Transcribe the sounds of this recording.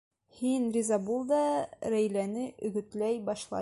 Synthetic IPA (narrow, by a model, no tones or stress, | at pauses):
hinrʲɪzɑbulˠd̪ɑɾæjlænɘʔɵ̆ɡɵ̆t̪læjbɒʃlˠɑ̰